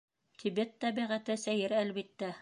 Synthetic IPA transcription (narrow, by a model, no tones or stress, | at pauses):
t̪ʰibet̪ːæbiʁæt̪ɘsæjɘɾælβit̪ːæ